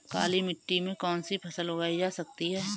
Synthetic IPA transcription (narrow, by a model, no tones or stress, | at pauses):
ka̰ːlimɪʈːimẽkɔːnsipʰɐsəlʊɡaːid͡ʒaːsɐk̚t̪iɦɛː